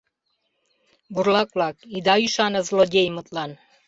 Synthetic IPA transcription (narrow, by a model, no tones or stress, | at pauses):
buɾlakʷʼlakʼid̪ajyʃanəzlodʲejmɨt̪ʼlan